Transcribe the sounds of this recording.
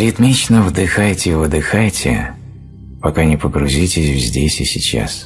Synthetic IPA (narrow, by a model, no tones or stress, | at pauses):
ɾʲɪt̪mʲit͡ɕnəvd̪ɨxajtʲɪvɨd̪ɨxajtʲʰɪ̰ | pɐkanʲɪpəɡɾʊzʲitʲɪsʲvzʲdʲesʲɪsʲɪt͡ɕa̰s